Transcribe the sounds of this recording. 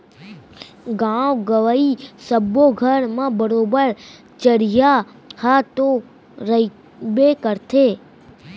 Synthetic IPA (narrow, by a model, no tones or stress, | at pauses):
ɡãʋɡəʋaisəbːoɡʱəɾmãbəɾobəɾ | t͡ʃəɾja | hat̪o | ɾəi | bekəɾt̪ʰe